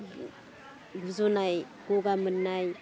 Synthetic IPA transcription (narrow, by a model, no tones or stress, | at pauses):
ɡuzonaj | ɡ̥oɡamənːaj